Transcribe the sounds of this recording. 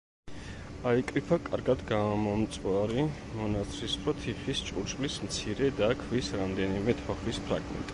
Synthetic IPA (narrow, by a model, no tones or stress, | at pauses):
aikʼɾipʰakʼa̰ɾɡad̪ɡaːmɔmt̪sʼwaɾi | mɔnat̪sʰɾispʰɾɔt̪ʰiχist͡ʃʼuɾt͡ʃʼlismt̪sʰiɾɛd̪akʰvisɾamd̪ɛnimɛt̪ʰɔχispʰɾa̰ɡmɛ̰nt̪ʼ